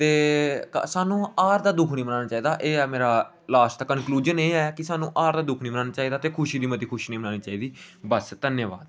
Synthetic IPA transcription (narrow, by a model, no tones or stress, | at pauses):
t̪eːkːsaːnũːaːɾd̪aːd̪ʊkʰniːmənaːnaːt͡ʃaːiːd̪aːʔeːɛːmeːɾaː | laːsʈ̪aːkənkluːd͡ʒəneːɛːkɪsaːnũːʔaːɾd̪aːd̪ʊkʰnĩːmənaːnaːt͡ʃaːiːd̪aːt̪eːkʰʊʃiːd̪iːmət̪iːkʰʊʃiːnĩːmənaːniːt͡ʃaːiːd̪iːbəst̪ənjəːʋa̰ːd̪